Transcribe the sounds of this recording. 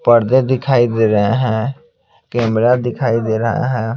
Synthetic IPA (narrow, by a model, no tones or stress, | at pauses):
pəɾd̪ed̪ɪkʰaːid̪eːɾəɦeɦɛ̃ | keːmɾad̪ɪkʰaːid̪eːɾəɦa̰ɦɛ̃ː